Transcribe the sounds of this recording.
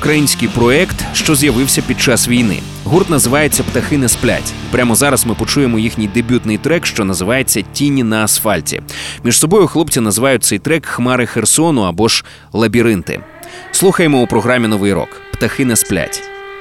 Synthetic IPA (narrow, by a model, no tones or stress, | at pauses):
ukɾɐjinʲsʲkɨjpɾɔɛkt̪ʃt͡ʃɔzjɐʋɪwsʲɐpʲid̪̚t͡ʃasʋʲijnɪ̰ | ɦurt̪nɐzɪʋɑje̞t͡sʲːɐpt̪ɐxɪnɛsplʲa̰tʲ | pɾʲamɔzɑɾɐsmɪpɔt͡ʃujemɔjixnʲijd̪ebʲut̪nɪjt̪ɾɛkʃt͡ʃɔnɐzɪʋɑjet͡sʲːɐtʲinʲːinɐːsfɑlʲtʲḭmʲiʒsɔbɔjʊxlˠɔpt͡sʲinɐzɪʋɑjʊt̚ʲt̪ɛjt̪ɾɛkxmɑɾɪxersɔnʊɐbɔʒ | lˠɐbʲiɾɪnt̪ɪ̰ | slˠuxɐjemɔupɾɔɦɾamʲin̪ɔʋɪjɾɔ̰kpt̪ɐxɪnɛsplʲa̰tʲ